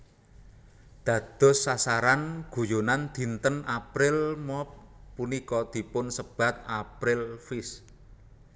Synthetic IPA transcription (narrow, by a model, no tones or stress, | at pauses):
d̪̥ä̤d̪̥ɔ̤sːasaɾanɡ̥ṳjonand̪̥i̤nt̪ənapɾɪlmɔp̚ːunikɔd̪̥i̤pʊnsəb̥a̤t̪̚apɾɪlfɪs